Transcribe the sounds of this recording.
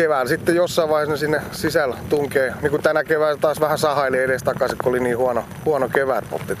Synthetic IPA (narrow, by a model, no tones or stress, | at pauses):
keʋæːˑlsit̪ːejjosːɑiʋɑihesnesinːesisælt̪uŋkeːniːkut̪ænækeʋæːlæt̪ɑːsʋæhæsɑhɑeleeɾest̪ɑkɑsikkːuoliniːhuɑno | huɑnokeʋæːˑt̪po̰t̪ːi